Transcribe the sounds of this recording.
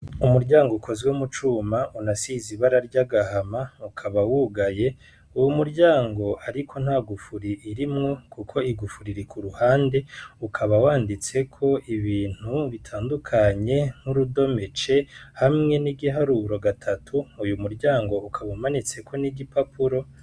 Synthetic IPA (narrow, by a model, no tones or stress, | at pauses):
umuɾɟaːŋɡokʰo̞zwemut͡ʃuːmaunasiziβaɾaɾɟaɡahamaukʰaβawuɡaje̞ | uwumuɾɟaːŋɡo̞ʔaɾikʰo̞n̥haɡufuɾiʔːɾimŋo̞kʰukʰo̞iɡufuɾiɾikʰuɾuhaːnde̞ukʰaβawaːndit͡se̞kʰo̞ʔiβiːn̥huβitʰaːndukʰaɲe̞ŋ̥huɾudo̞me̞t͡ʃe̞hamŋe̞niɡiɦaɾuːɾo̞ɡatʰatʰuːjumuɾɟaːŋɡo̞ukʰaβamanit͡se̞kʰo̞niɡipapʰuɾo̞